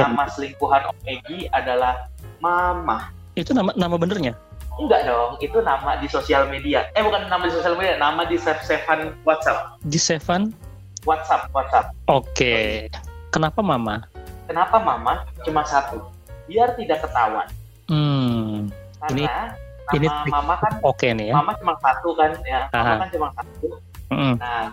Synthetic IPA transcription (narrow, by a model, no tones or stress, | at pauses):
namasəliŋkuɦanʔɔf̚eɡiadalahmamah | it̪unamanamabənərɲa | əŋɡaʔdɔŋit̪unamadisosialmediaɛbukanːamadisosialmedianamadisefsefanwat̪̚sap̚disefan | wat̪̚sap̚wat̪̚sap̚oke | kənapamamakənapamamat͡ʃumasat̪u | biart̪idakːət̪awa̰n | m̩ | kainia | naimnimamakanokenijaamat͡ʃumaŋsat̪ukanjamaaɦakant͡ʃumaŋsat̪u | m̩ʔm̩na